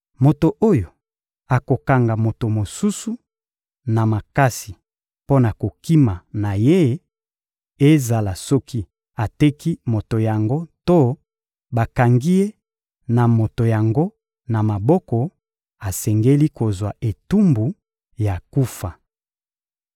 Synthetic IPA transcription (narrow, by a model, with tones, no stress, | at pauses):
mo˨to˨ʔo˦jo˨ | a˨ko˨ka˨ŋɡa˨mo˨to˨mo˨su˦su˦ | na˨ma˨ka˦si˨ | po˦na˨ko˨ki˦ma˨na˨je˦ | e˦za˨la˨sɔ˦ki˦ | a˨te˦ki˦mo˨to˨ja˨ŋɡo˦to˦ | ba˨ka˨ŋɡi˦e˦ | na˨mo˨to˨ja˨ŋɡo˦ | na˨ma˨bɔ˦kɔ˨ | a˨sɛ˨ŋɡe˦li˦ko˨zwa˨ʔe˨tu˦mbu˨ | ja˨ku˦fa˨